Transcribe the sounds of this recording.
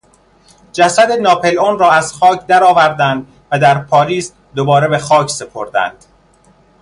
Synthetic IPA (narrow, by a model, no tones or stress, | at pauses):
d͡ʒæsæd̪enɒːpʰe̞lonrɒːæz̥xɒːcʰd̪æɾɒːvæɾd̪ænd̪ | væd̪æɾpʰɒːɾiːs | d̪obɒːɾebe̞xɒːcʰse̞pʰo̞ɾd̪æ̰nd̪̥